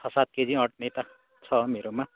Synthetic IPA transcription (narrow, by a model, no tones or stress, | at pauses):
ʌsat̪̚ked͡ziʌʈ̚nʌjt̪a | t͡sʰʌmeɾoma